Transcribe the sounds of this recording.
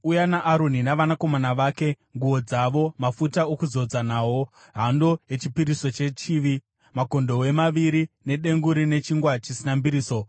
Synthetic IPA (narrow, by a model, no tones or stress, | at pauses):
ujanaʔːɾoninaʋanako̞manaʋaːke̞ | ŋɡuo̞d͡zaʋo̞mafutaokuzo̞d͡zanaːwo̞ | ɦandoje̞t͡ʃipiɾiso̞t͡ʃe̞t͡ʃiʋi | mako̞ndo̞we̞maʋiɾine̞ɗe̞ŋɡuɾine̞t͡ʃiŋɡwat͡ʃisinambiɾiːso̞